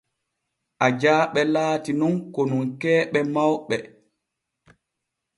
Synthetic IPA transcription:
ʔad͡ʒaːɓɛlaːtinunkɔnuŋkɛːɓɛmawɓɛ

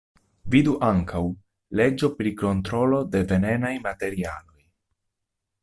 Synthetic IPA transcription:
viduʔaŋkʰaw | le̞d͡ʒo̞pɾiko̞nt̪ɾo̞lo̞de̞ve̞ne̞najmate̞ɾia̰lo̞j

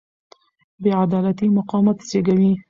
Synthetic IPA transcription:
beʕad̪ɑːlat̪iːmʊqɑːmat̪seɡɐwiː

